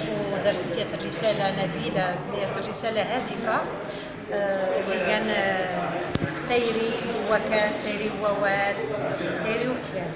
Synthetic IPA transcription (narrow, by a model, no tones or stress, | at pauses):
wd̪ɑɾˤst̪ijæt̪ərːəsælanæbilad̪ijæt̪ərːəsælaɦæd̪əfa | likæn | t̪ˤæjɾiwækælt̪ˤɑjɾiwæwæd̪t̪ɑjɾiwfjæl